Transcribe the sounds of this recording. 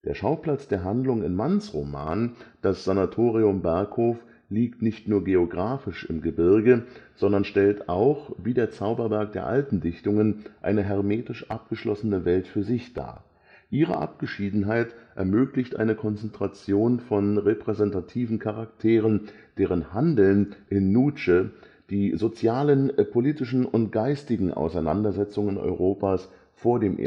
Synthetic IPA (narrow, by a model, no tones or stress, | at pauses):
d̥eːɐʃaʊpl̥at͡sd̥eːɐɦandlʊŋɪ̰nmansʁoma̰ːnd̥asz̥anatʰoːʁiʊmbɛɐkhoːf | liːktnɪçtnuːɐɡeoɡʁaːfɪʃɪ̰mɡəbɪɐɡəz̥ɔndɐnʃtɛltaʊχviːdeːɐt͡saʊbɐvɛɐk̚d̥eːɐʔa̰ltn̩dɪçtʊŋənʔa̰ɪnəɦɛɐʁmeːtɪʃʔa̰p̚ɡ̥əʃlɔ̰sənəvɛltfyːɐzɪçd̥a̰ː | ʔiːʁ̞ə̰ʔa̰p̚ɡ̥əʃiːdn̩ɦaɪtʔɛ̰ɐmøːklɪçtʔa̰ɪnəkʰɔnt͡sɛntʁ̥at͡sjoːnfɔnʁepʁ̥ɛzɛntatʰiːvn̩kʰaʁaktʰeːʁ̞ən | d̥eːʁ̞ənhandl̩nʔɪnːuːt͡ʃə | d̥iːzot͡sjaːlənpʰoliːtɪʃn̩ʊntɡ̥aɪstɪɡŋ̩ʔa̰ʊsaɪna̰ndɐzɛt͡sʊŋənɔ̰ʏʁoːpaːs | foːɐdeːmʔḛ